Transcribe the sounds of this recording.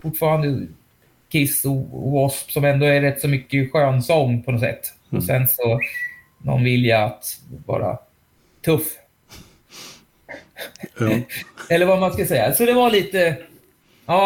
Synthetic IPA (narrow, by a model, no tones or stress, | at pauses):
fʊʈːfɑːɾand̪ə | kʰɪsɔ̰ɔspsɔmɛnd̪ɔæɾɛt̪ːsɔmʏkːəɧøːnsɔŋːpʰɔnɔt̪sɛ̰t̪ː | ɔsɛnsɔ | nɔ̰nvɪljat̪vɑ̰ːɾa̰ | t̪ʰɵfː | ɛlːəɾvamanskasɛjːa̰sɔd̪ɛvaɭiːt̪ə | ɑː